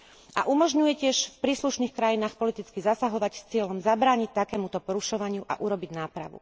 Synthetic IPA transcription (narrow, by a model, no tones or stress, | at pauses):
ʔa̰ʔumɔʒɲujɛcɪɛʃfpɾiːsluʃniːxkɾajinaːxpɔlit̪it͡skizasaɦɔʋacst͡sɪɛlɔmzabɾaːɲict̪akɛːmut̪ɔpɔɾuʃɔʋaɲɪuʔa̰ʔuɾɔbiɟnaːpɾa̰ʋṵ